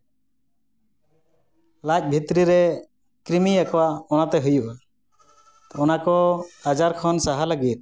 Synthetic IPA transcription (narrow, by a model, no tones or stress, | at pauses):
lac̚ˀbʱit̪ɾiɾɛ | kɾimiakɔwaɔnat̪ɛɦujuʔa | ɔnakɔad͡ʒaɾkʰɔnsaɦaləɡit̪̚